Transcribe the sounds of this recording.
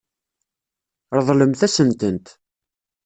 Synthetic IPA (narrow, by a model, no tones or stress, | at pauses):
ɾðˤləmθæsənt̪ənt̪